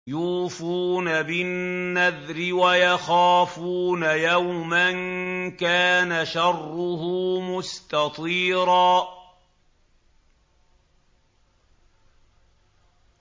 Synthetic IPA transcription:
juːfuːnabɪnːaðɾɪwajɑxaːfuːnajawmankaːnaʃɑrːʊhʊːmʊst̪ɑt̪ˤiːɾɑː

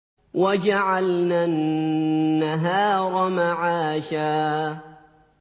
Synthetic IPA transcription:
wʔad͡ʒaʕalnaːnː | aɦaːɾˤɑmaʕaːʃaː

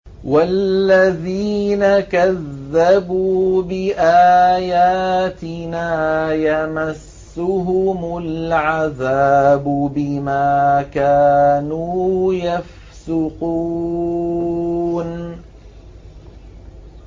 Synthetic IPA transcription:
walːaðiːnakaðːabuːbɪʔaːjaːt̪ɪnaːjamasːʊɦʊmʊlʕaðaːbʊbɪmaːkaːnuːjaf | sʊqu | n

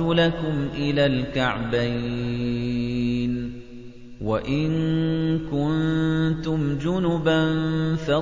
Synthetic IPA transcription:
ʊlakʊmʔɪlaːlkaʕbaj | n | waʔɪnkʊnt̪ʊmd͡ʒʊnʊbanfɑ

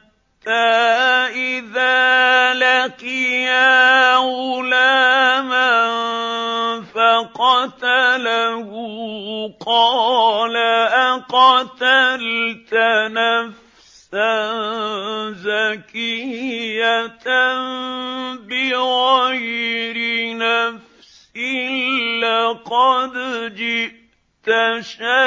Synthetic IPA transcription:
a | t̪ːaːʔɪðaːlaqɪja | ʊlaːma | faqɑt̪alahʊ | qɑːlaʔaqɑt̪alt̪anaf | sa | zakɪjat̪a | bɪɣajɾɪnaf | sɪlɪqɑd̪d͡ʒɪʔʔ | t̪aʃa

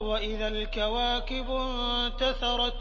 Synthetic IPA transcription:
waʔɪðalkawaːkɪb | t̪aθɑɾˤɑ

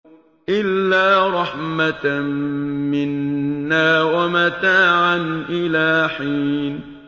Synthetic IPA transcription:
ʔɪlːaːɾˤɑħmat̪ | mɪnːaːwamat̪aːʕanʔɪlaːħiːn

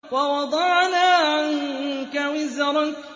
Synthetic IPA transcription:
wɑwɑd̪ˤɑʕnaːʕaŋkawɪzɾˤɑ

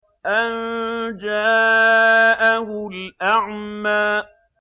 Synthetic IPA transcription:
ʔand͡ʒaː | ʔaɦʊlʔaʕmaː

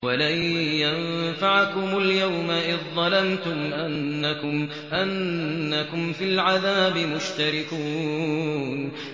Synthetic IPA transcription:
walajjanfaʕakʊmʊljawmaʔɪððd̪ˤɑlamt̪ʊmʔanːakʊm | ʔanːakʊmfɪlʕaðaːbɪmʊʃt̪aɾɪkuː | n

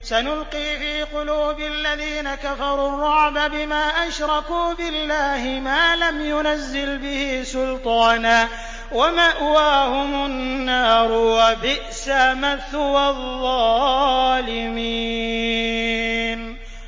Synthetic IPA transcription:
sanʊlqiːfiːqʊluːbɪalːaðiːnakafɑɾˤuːrˤːɑʕbabɪmaːʔaʃɾˤɑkuːbɪlːaːhɪmaːlamjʊnazːɪlbɪhiːsʊlt̪ˤɑːnaː | wamaʔwaːhʊmʊnːɑːɾˤʊwabɪʔsaːmaθʊwɑðːɑːlɪmiː | n

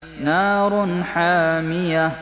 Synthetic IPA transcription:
naːɾˤnħaːmɪja

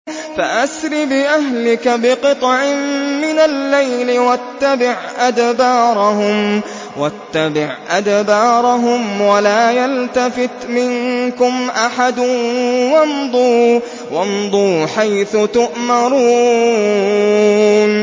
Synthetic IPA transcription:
faʔasɾibɪʔaɦlɪkabɪqɨt̪ˤʕɪmmɪnalːajlɪwat̪ːabɪʕʔad̪bɑːɾˤɑhʊm | wat̪ːabɪʕʔad̪bɑːɾˤɑɦʊmwalaːjalt̪afɪt̪mɪŋkʊmʔaħad̪ʊnwɑnd̪ˤu | wɑnd̪ˤuːħajθʊt̪ʊʔmɑɾuː | n

